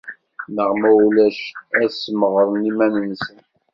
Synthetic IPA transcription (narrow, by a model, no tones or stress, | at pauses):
nəʁmæwlæʃæsəməʁɾˤənimænənsən